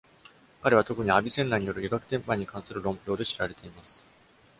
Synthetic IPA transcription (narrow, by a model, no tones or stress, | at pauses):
kaɾe̞β̞at̪o̞kɯ̟ɲ̟iabʲisẽ̞nːaɲ̟ijo̞ɾɯjiɡakɯ̟̥t̪ẽ̞mpãɲ̟ːikãɰ̃sɨɾɯ̟ɾõ̞mpʲo̞ːd̪e̞ɕiɾaɾe̞t̪e̞imasɨ̥